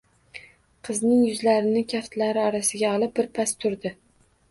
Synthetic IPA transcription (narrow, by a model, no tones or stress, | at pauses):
qʰɨznɪŋjʊzlaɾɪnɪkʲʰaft̪laɾɪɒɾasɪɡʲaɒlˠɪp̚bɪɾpʰast̪ʰʊɾd̪ɪ